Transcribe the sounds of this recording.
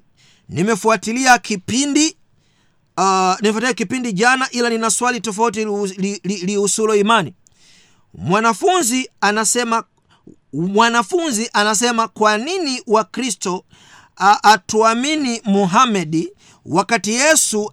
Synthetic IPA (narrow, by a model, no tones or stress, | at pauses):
nimɛfuatiliakipindi | nimɛfatiliakipindiʄanaʔilaninaswalitɔfaut̬illiliusulɔimani | mwanafunzianasɛma | mwanafunziʔanas̬ɛmakwaniniwakɾistɔ | ʔːtuaminimuɦamɛdi | wakatijɛsu